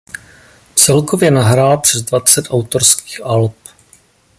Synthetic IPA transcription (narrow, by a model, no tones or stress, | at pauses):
t͡sɛlkovjɛnaɦɾaːlpr̝̥ɛzdvat͡sɛt̪ʔawt̪oɾski̥ːxʔalp